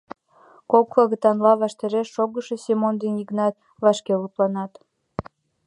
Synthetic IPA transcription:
koklɑɣət̪ɑnlɑβɑʃt̪eɾeʃːoɣəʃe̽semond̪eniɣnɑt̪̚ | βɑʃkelup̪lɑnɑt̪

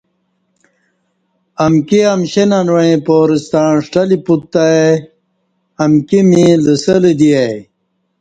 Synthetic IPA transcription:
ɐmkiɐmɕenanwɐĩpoːɾist̪aːnʂʈɐliput̪ːae | ɐmkimĩləsɐlid̪iaj

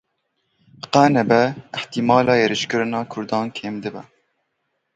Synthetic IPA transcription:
qæːnɛbɛɨħt̪imɑːlɑːjeɾɨʃkɨɾɨnɑːkʰʊɾd̪ɑːnkʰeːmd̪ɨbɛ

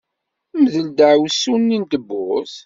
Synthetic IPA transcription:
mðəld̪əʕwsunːint̪əbːʊs

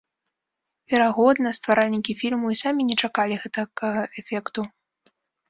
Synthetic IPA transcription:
vʲɛɾaɣɔd̪nɐst̪vaɾalʲnʲikʲifʲilʲmuisamʲinʲɛt͡ʂakalʲiɣɛt̪ɐkɣɐɛfʲɛkt̪u

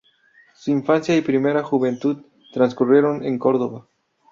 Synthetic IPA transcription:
suiɱfansjaipɾime̞ɾaxuβe̞nt̪uð | t̪ɾanskurje̞ɾo̞neŋko̞ɾðo̞βa

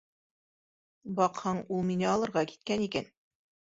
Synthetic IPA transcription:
bɑqhɤɴulˠminɘɑlˠɤ̆ɾʁɑki̥t̪̚kænikæn

